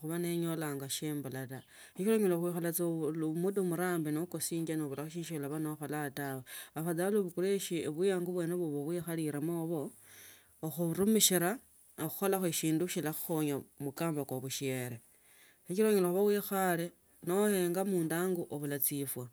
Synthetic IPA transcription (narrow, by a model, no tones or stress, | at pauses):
xuβaneɲolaːŋɡaʃeːmbulata | xit͡ʃiɾoɲoloxixalat͡slmudomuɾaːmbinokosiːɲd͡ʒanoβulaxuʃiːʃiolaβanoxolatawaβaxad͡zaluβukuleʃieβijaːŋɡuβwe̞ːneβuβoβwixaliɾamoːβo̞ː | xuɾumiʃiɾa | oxu̥xolaxeʃiːnduʃilaxu̥xoɲamukaːmbakwoβuʃieɾe | xit͡ʃiɾoɲeloxuβawixale | noheːŋɡamuːndaːŋɡuʔoβulat͡sifwa